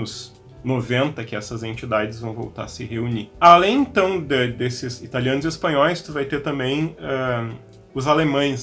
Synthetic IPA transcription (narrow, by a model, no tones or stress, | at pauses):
ʊz | novẽnt̪ɐkɪɛsɐzẽnt͡ʃid̪ad͡ʒɪzvɐ̃w̃vo̰wt̪a̰ɾsɪɦeunialẽj̃ẽnt̪ɐ̃w̃d̪ɛd̪esɪzit̪aliɐ̃nʊziespɐ̃ɲɔjst̪uvajt̪eɾt̪ɐ̃mbẽj̃ɛ | ʊzalemɐ̃j̃s